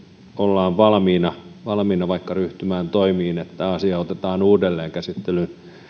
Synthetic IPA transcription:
olːɑːʋʋɑlmiːnɑʋɑlmiːnɑʋɑikːɑryht̪ymæːnt̪oimiːnet̪ːæɑsiɑot̪et̪ɑːnuːdelːeːŋkæsit̪ːelyn

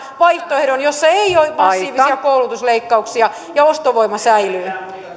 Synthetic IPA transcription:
ʋɑiht̪oehɾonjosːɑeijoimɑsːiːʋisiɑkoulut̪usleikːɑuksiɑ | jɑost̪oʋoimɑsæilyː

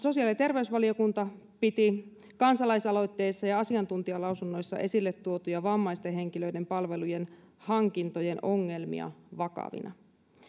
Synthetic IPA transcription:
so̞siɑːlit̪e̞rʋe̞ysʋɑlio̞kunt̪ɑ | pit̪i | kɑnsɑlɑisɑlo̞jt̪ːe̞jsːɑjɑɑsiɑnt̪unt̪iɑlɑwsunːo̞jsːɑ̰ʔe̞silːet̪ːuo̞t̪ujɑʋɑmːɑjst̪eɦe̞ŋkilø̞ide̞mpɑlʋe̞luje̞nhɑŋkint̪o̞je̞no̞ŋːe̞lmḭɑ̰ʋɑkɑ̰ʋḭnʔɑ̰

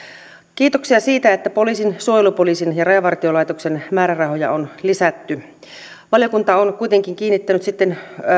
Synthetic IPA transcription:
kiːt̪oksiɑsiːt̪æet̪ːæpo̞liːsinsuojelupoliːsinjɑrɑjɑʋɑrt̪iolɑijt̪oksenmæːɾærɑɦojɑ̰onlisæt̪ːy | ʋɑljokunt̪ɑonkuit̪eŋkiŋkiːnːit̪ːænyt̪sit̪ːen

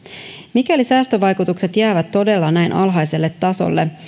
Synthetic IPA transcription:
mikælisæːst̪øʋɑjkut̪ukse̞t̪jæːʋæt̪ːo̞de̞lːɑnæjnʔɑ̰lɦɑjse̞lːet̪ːɑso̞̰lːe

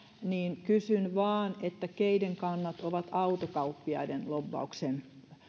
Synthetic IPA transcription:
niːnkysynʋɑːnet̪ːækeideŋkɑnːɑt̪oʋɑt̪ɑut̪okɑupːiɑ̰idenloʋːɑ̰uksen

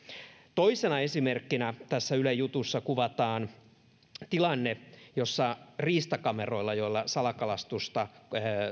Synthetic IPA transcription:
t̪o̞isenɑe̞simerkːinæt̪æsːæylæjut̪usːɑkuʋɑt̪ɑːn | t̪ilɑnːejosːɑriːst̪ɑkɑmero̞ilːɑjo̞ilːɑsɑlɑkɑlɑst̪ust̪ɑ

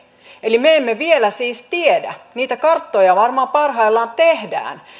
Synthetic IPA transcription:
elimeemːeʋielæsiːst̪iedæ̰niːt̪ækɑrt̪ːojɑʋɑrmɑːmpɑrɦɑilːɑːnt̪ehdæ̰ːn

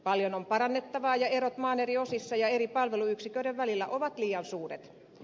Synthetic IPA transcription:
pɑljonompɑɾɑnːet̪ːɑʋɑːjɑeɾot̪mɑːneriosisːɑjɑeripɑlʋeluyksikøydeʋʋælilːæʔoʋɑt̪liːɑnsuːret̪

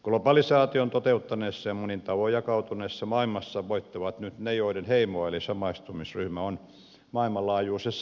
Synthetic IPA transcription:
klopɑlisɑːt̪iont̪ot̪eut̪ːɑneːsːɑjɑmunint̪ɑʋojɑkɑut̪uneːsːɑmɑilmɑsːɑʋoit̪ːɑʋɑt̪nyt̪nejoiɾenheimoɑelisɑmɑist̪umisryhmæon | mɑilmɑlɑːjuːsesː

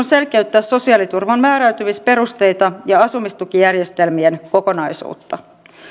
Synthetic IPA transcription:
nse̞lkeyt̪ːæːsso̞siɑlit̪urʋɑmmæːɾæyt̪yʋispe̞ɾust̪e̞jt̪ɑjɑɑsumist̪ukijærjest̪elmienko̞ko̞nɑisṵːt̪ːɑ

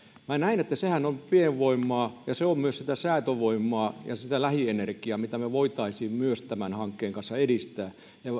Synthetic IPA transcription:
mænæinet̪ːæsehænompieʋʋoimːˑɑːjɑseommyøssit̪æsæːt̪øʋoimːɑːjɑ̰sit̪ælæhienerkiɑmit̪æmeʋoit̪ɑisiːmmyøst̪æmænhɑŋkːeːŋkɑnsːɑedist̪æː | jɑ

